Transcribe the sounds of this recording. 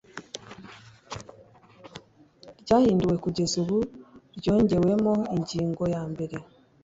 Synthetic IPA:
ɾɟaːhiːnduwe̞kuɟe̞zuβuɾɟo̞ːɲɟe̞we̞moiɲɟiːŋɡo̞jaːmbe̞ɾe̞

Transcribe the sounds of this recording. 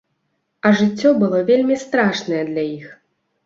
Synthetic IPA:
ɐʐɨt͡sʲːɔbɨlˠɔvʲelʲmʲist̪ɾaʂnɐjɛd̪lʲajix

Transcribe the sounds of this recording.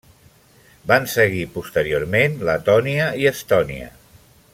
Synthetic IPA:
bansəɣipust̪əɾioɾmenlət̪ɔniəiəst̪ɔniə̰

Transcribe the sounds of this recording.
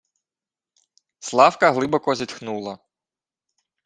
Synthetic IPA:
slˠɑwkɐɦlˠɪbɔkɔzʲit̪xnulˠɐ

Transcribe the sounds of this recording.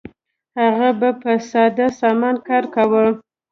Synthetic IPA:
haɣabapəsɑd̪asɑmɑnkɑɾkawə

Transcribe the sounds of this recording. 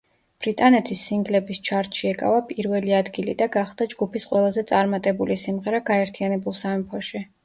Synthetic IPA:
b̥ɾit̪ʼanɛt̪ʰisːiŋɡlɛbist͡ʃʰaɾt̪ʃiɛkʼa̰vapʼiɾvɛliad̪ɡilid̪aɡaχlˠd̪ad͡ʒɡupʰisqʼwɛlˠazɛt̪sʼaɾmat̪ʼɛbulisimʁɛɾaɡaɛɾt̪ʰijanɛbulˠsamɛmpʰɔʃi

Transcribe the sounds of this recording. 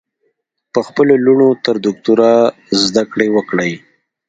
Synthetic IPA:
pəxpəloluɳot̪əɾd̪ʊk̚t̪uɾa | zd̪akɽewəkɽəj

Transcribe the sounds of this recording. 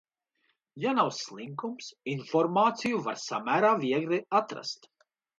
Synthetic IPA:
janawslˠiŋkumsinfɔɾmaːt̪sijuvaɾsamæːɾaːviɛɡɾiat̪ɾa̰st̪

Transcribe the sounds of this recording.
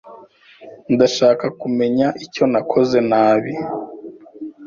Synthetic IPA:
ndaʃaːkakume̞ɲaʔico̞nakʰo̞ze̞naːβi

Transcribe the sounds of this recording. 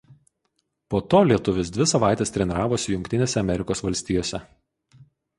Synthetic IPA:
poːt̪oːlʲiɛt̪ʊʋʲɪs̬d̪ʲʋʲɪsɐʋɑˑɪt̪ʲest̪ʲɾʲɛnʲɾɑːʋoːsʲɪjʊŋʲkʲt̪ʲɪnʲeːsʲɛɐmʲɛɾʲɪkoːsʋɐlʲsʲt̪ʲiːjoːsʲɛ

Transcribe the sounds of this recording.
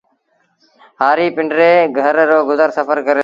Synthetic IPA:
ɦaːɾiːpɪɳɖɾeːɡʱəɾːoːɡʊzəɾsəfəɾkəɾeː

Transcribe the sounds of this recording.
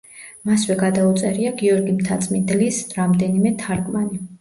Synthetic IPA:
maswɛɡad̪aut̪sʼɛɾiaɡiɔɾɡimt̪ʰat̪sʼmind̪lisɾamd̪ɛnimɛt̪ʰaɾɡmani

